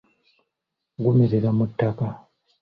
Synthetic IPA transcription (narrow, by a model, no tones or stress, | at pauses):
ɡumeɾeɾamutːaka